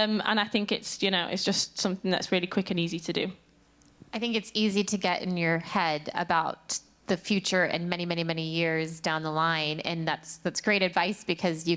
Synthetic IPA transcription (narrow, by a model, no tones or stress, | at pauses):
mə̰̃ñaɪθɪ̃ŋkɪtsjɨñoʊʔɪ̰tsd̥ʒ̥ʌstsʌ̃mθɪ̃ŋðə̰tsɹɪːlikʰw̥ɪkə̃niːzitʰədɨ̰ | aɪθɪ̃ŋkɨtsiziɾɨɡɛɾɪ̰̃njə˞hɛdə̰baʊt̪̚ | ðɨfjʉt͡ʃə˞ɪ̰̃nmɛɾ̃imɛñimɛñijɪɹzdãʊ̃nðəlãɪ̃nɨ̃nðætsðætsɡ̥ɹeɪɾɨdvaɪsb̥ɨkʰʌzjɨ